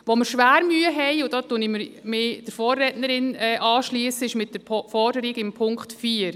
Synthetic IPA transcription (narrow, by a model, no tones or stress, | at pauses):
ʋoməɾʃʋæːɾmyːəɦɛɪʊd̥ɑːtuənɪmɪɾmɪːd̥əɾfɔːrːɛːtnəɾɪnɛʔɑːʃliːsəɪʃmɪt̚d̥əpfɔɾdəɾɪɡɪmpʰʊŋkχtfiːəɾ